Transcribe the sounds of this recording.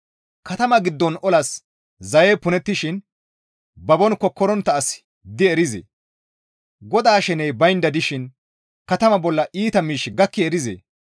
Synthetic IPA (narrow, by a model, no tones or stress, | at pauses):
kɐt̪ɐmɐɡɪd̪ːɔnɔlɐs | zɐjeːpʊnɛt̪ːɪʃɪn | bɐbɔnkːɔkːɔɾɔnt̪ːɐːs | d̪ɪɛɾɪzḛː | ɡɔd̪aːʃɛnɛjbɐjnd̪ɐd̪ɪʃɪn | kɐt̪ɐmɐbɔlːɐʔiːt̪ɐmiːʃɡɐkːɪɛɾɪzḛː